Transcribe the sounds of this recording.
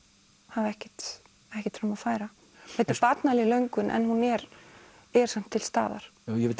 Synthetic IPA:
haðɛhcɪ̥t̪ | ɛhcɪ̥t̪fɾamaðfaːjɾa | hat̪ɪɾpat̪nalɪlœɥŋkʏnʔɛ̰nhunɛɾ | ɛɾsam̥t̪ʰːɪlst̪a̰ːða̰ɾ̥jɛɪ

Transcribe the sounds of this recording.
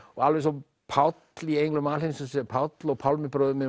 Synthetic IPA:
ɔɣalvɛs̬ɔm | pʰawt̪liejŋklʏmalɪnsɔsɛpʰawt̪lɔɣpʰawlmɪpɾœðmɪ

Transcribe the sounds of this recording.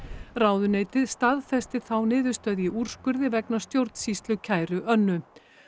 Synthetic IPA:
raːwðʏneːjt̪ɪðst̪aðfɛst̪ɪ̥θawnɪːðʏ̥st̪œðjɪʔur̥skʏɾðɪvɛknḁst̪jowɾ̥t̪n̥sist̪lʏcʰaːjɾʏʔœnːʏ

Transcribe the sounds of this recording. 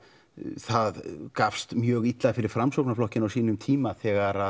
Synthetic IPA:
θaðkafst̪mjœːɣit̪laðfɪɾɪɾ̥fɾamsowknaflɔhcɪnawsiːnʏmt̪ʰiːmaθɛːɣaɾa

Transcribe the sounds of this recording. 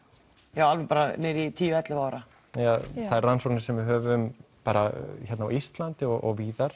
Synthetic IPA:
jaːwalvɛpaːɾanɛɾit̪ʰiːjʏɛt̪lʏvaːwɾa | jaθaðɛɾrːansoknɪ̥sɛmvɪðɦœːvʏmpaːɾaçɛt̪nawʔist̪lant̪ɪɔɣɔɣviːðaɾ̥

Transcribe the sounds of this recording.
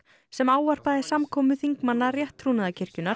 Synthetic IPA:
sɛmaːwvar̥paðɪsamkʰɔːmʏθiŋkmanːarjɛht̪ʰːɾuːnaðacʰɪr̥cʏnaɾ̥

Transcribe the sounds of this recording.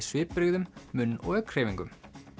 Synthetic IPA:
svɪːpɾʏɣðʏmːʏnːɔ̰ɣœkʰɾ̥eːviŋkʏm

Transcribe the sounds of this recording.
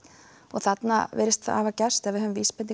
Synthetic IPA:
ɔɣθat̪na̰vɛ̰ːɾɪst̪aa̰ːvacɛ̥st̪ɛvɪhɦœðʏmviːspɛni

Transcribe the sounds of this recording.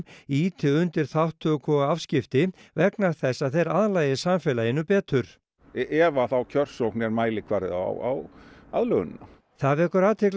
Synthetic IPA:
iːt̪ʰɪʏnt̪ɪɾ̥θawht̪ʰːœkʰɔɣaafscɪft̪ɪvɛknaɾ̥θɛsːaðθejɾaðlaːjɪsamfɛːlaɪnːʏpɛːt̪ʏɾ̥ | ɛvaθawcʰœr̥sɔwknɛɾmaːjlɪkʰvaːɾɪ̰ða̰wa̰waðlœɣʏn̰na̰ | θavɛkʏɾaːt̪ʰɪkl

